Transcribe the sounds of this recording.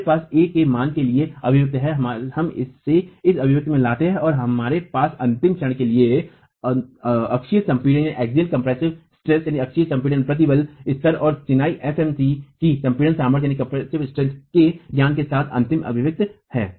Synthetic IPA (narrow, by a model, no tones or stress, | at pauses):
paːseːkemaːnkelieɐbʱɪʋɪk̚t̪ɦɛɦhɐmɪ̰sːeɪsɐbʱɪʋɪk̚t̪mẽlaːʈeɦɛɔːɾɦɐmaːɾepaːsɐ̃nt̪ɪmʃɐɽ̃kelie | ɐkʃijəsɐ̃mpiːɖə̃njaiʔɛːkzilkɐ̃mpɾɛːsɪʋsʈɾɛsjaːniɐkʃijəsɐ̃mpiːɖə̃npɾɐt̪̬ibəlɪst̪əɾɔːɾt͡ʃɪnaːiʔɛfɛːmsikisɐ̃mpiːɖə̃saːməɾjaːnikɐ̃mpɾɛsɪʋsʈɾɛskeɡ̪jaːnkesaːt̪ʰɐ̰̃nt̪ɪmʔɐ̰bʱɪʋɪk̚t̪hɛ̰ː